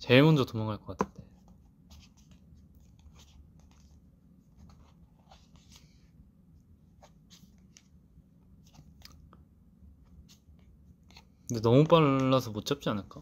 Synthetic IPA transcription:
t͡ɕe̞mʌnd͡ʑotomʌŋɦaɭk͈ʌk͈atʰɯ̥nde | kɯndenʌmup͈aːasʰʌmot͡ɕ͈ʰʌp̚t͡ɕ͈ianɯɭk͈a

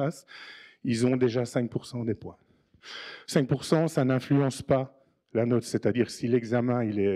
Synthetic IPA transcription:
asilzɔ̃d̪eʒasɛ̃k̚puʁsɑ̃d̪epwɛ̃ | sɛ̃k̚puʁsɑ̃sanɛ̃flyɑ̃spa | lanɔt̪sɛt̪ad̪iːʁsilɛɡzamɛ̃ilɛ

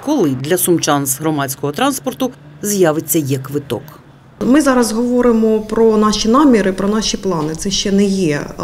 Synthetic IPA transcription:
kɔlˠɪd̪lʲɐsʊmt͡ʃɑnsɦɾɔmɑt͡sʲkɔɦɔt̪ɾɑnspɔrt̪ʊzjɑʋet͡sʲːɐjɐkʋɪt̪ɔ̰k | mɪzɑɾɐzɦɔʋɔɾɪmɔpɾɔnɑʃinɑmʲiɾɪpɾɔnɑʃʲiplˠɑnɪt̪sɛʃt͡ʃɛnɛjɛ

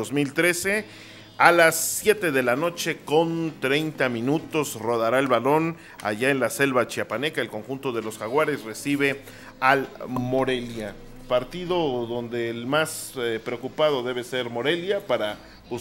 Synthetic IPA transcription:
ozmilt̪ɾe̞se̞ | alasːje̞t̪e̞ðe̞lano̞t͡ʃe̞ko̞nt̪ɾe̞jnt̪amĩnut̪o̞sro̞ðaɾaelβalo̞n | a̰ʝae̞nlase̞lβat͡ʃiapane̞kae̞lko̞ŋxunt̪o̞ðe̞lo̞sxaɣwaɾe̞sre̞siβe̞ | almoɾe̞lja | paɾt̪iðo̞ðo̞nd̪eːlmaspɾeokupað̞o̞ðe̞β̞e̞se̞ɾmo̞ɾe̞ljapaɾa | pu

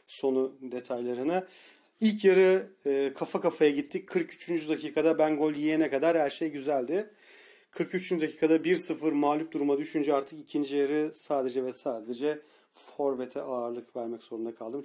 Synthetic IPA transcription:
so̞nud̪e̞t̪ʰajlˠaɾɯna | ilʲcjaɾɯɯːkʰafakafajaɟit̪ʰːickʰɯɾkyt͡ʃʰynd͡ʒyd̪acʰiːkʰad̪abæŋɡo̞lʲˠjijɛnɛkad̪aɾhæɾʃejɟyzælʲd̪ɪ | kʰɯɾkyt͡ʃʰynd͡ʒyd̪acʰiːkʰad̪abiɾsɯfɯɾmaːlʲyp̚d̪uɾumad̪yʃynd͡ʒɛaɾt̪ʰɯkicʰind͡ʒijaɾɯsaːd̪e̞d͡ʒɛvɛsaːd̪d̪ed͡ʒɛ | fo̞ɾvet̪ʰɛʔaːɾlˠɯkvæɾmɛcz̥o̞ɾund̪akʰalˠd̪ɯm

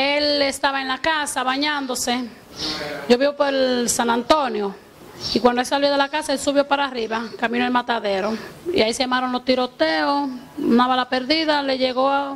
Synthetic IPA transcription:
elest̪aβaenlakasaβaɲãnd̪o̞se | ɟ͡ʝoβiβopoelsanãnt̪onjo | ikwand̪oe̞lsaljo̞ðe̞lakasaelsuβjo̞paɾaːriβakamĩnoelmat̪aðe̞ɾo̞ḭaisejamaɾonlost̪iɾo̞t̪eo | unaβalapeɾðiðale̞ʝeɣoa

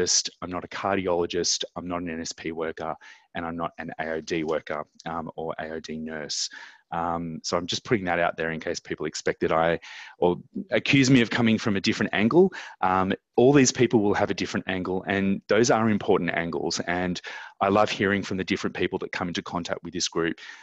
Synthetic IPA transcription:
ɨstãɪ̃mnəɾɨkʰɑɹɾiɑlˠəd͡ʒɨstãɪ̃mnəɾn̩ɛ̃nɛspʰiwɜ˞kə˞ʔɨ̃ñãɪ̃mnəɾɨ̃nḛɪoʊdiwɜ˞kə̰˞ʌ̃ə˞ʔḛɪoʊdinɜ˞sʔʌ̃msoʊãɪ̃md͡ʒʌspʰʊɾɪ̃ŋðɨɾaʊt̪̚ðə˞ɨ̃nkʰeɪspʰipl̩ˠɨkspɛk̚ðɨɾaɪʔə˞ɨkʰj̥ʉzmiʌv̥kʰʌ̃mɪ̃ŋfɹʌ̃mɨdɪfɹɨ̃ntæ̃ŋɡl̩ˠʔʌ̃m | ɔlˠðiz̥pʰipl̩ˠwɪlˠɨvɨdɪfɹɨ̃ntæ̃ŋɡl̩ˠɨ̃nðoʊzə˞ɨ̃mpʰɔɹʔn̩tæ̰̃ŋɡl̩ˠz̥ɨ̃nʔaɪlʌv̥hiɹɪ̃ŋfɹʌ̃mðɨdɪfɹɨ̃npʰipl̩ˠðɨt̚kʰʌ̃mɪ̃ntɨkʰɑ̃ntʰæ̰k̚t̚wɨðɪsɡ̥ɹʉp̚

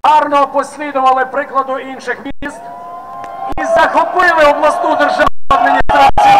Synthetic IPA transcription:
ɑɾnɔpɔsʲlʲid̪ɔʋɐlˠɪpɾɪklˠɐd̪ʊinʃɪxmʲst̪ | izɐxɔpɪlˠɪɔblˠɐst̪ud̪erʒaɐd̪mʲinʲist̪ɾat͡sʲij

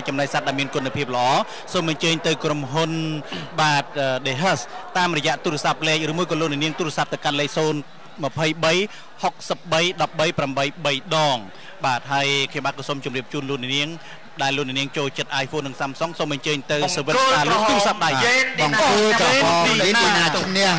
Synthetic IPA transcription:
t͡ɕɑmnaːk̚sat̪̚ɗaɛlmiənkuənəpʰiəp̚lə̆ʔɑː | soːmʔɑɲt͡ɕəːɲt̪ɨwkromɦunɓaːt̪̚ʔəːɗeːɦəst̪aːmrɔjɛ̆əʔt̪uːɾĕəsap̚lɛːk̚rɨːmuəjkɑːloənɛniəŋt̪uːɾeəsap̚t̪ɨwkanleːk̚soːn | mə̆pʰəjɓəj | hok̚səp̚ɓəjɗɑp̚ɓəjpramɓəjɓəjɗɑːŋ | ɓaːt̪̚ɦaəjkʰɲomɓaːt̪̚kɑːsoːmt͡ɕumriəp̚t͡ɕuːnlʊək̚nɛ̰̆ʔniəŋ | ɗaɛlːŏəknɛ̰əniəŋt͡ɕoːlt͡ɕət̪̚ʔaːjfoːnɨŋsaːmsoŋsoːmʔaɲt͡ɕəːɲt̪ɨwseːʋɨt̪aːllokt̪uːɾeəsap̚ɗaeːnɓɑŋkuəlː | iinaːt͡ɕʰnɛ̆əh

